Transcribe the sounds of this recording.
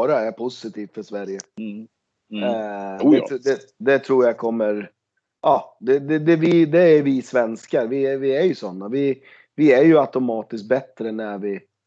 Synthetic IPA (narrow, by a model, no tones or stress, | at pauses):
ɾaæɾpʰʊsɪt̪ʰiːft̪fœʂvæɾjə | ɛd̪ɛ | d̪ɛt̪ʰɾuːɾjakʰɔmːəɾ | ʔɑːd̪ɛd̪ɛd̪ɛvɪd̪ɛæɾvɪsvɛnskaɾvɪvɪæɾjɵsɔnːavɪ | vɪæɾjɵat̪ʊmɑːt̪ɪskt̪̚bɛt̪ːɾənævɪ